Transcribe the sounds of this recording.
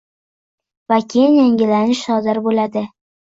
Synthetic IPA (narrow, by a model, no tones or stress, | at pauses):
vakʲʰenjaŋɡʲɪlanɪʃʃɒd̪ɪɾbolad̪ɪ